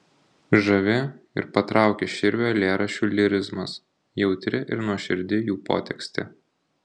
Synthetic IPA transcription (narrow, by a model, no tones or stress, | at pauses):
ʒɐʋʲɪɪ̰ɾpɐt̪ɾʔɑˑʊkʲeːʃʲɪɾʲʋʲoːlʲeːɾɐʃʲuːlʲɪɾʲɪzmɐs | jɛʊt̪ʲɾʲɪʔɪ̰ɾnuɔʃʲɪɾʲd̪ʲɪjuːpo̰ːt̪ʲɛksʲt̪ʲɪ̰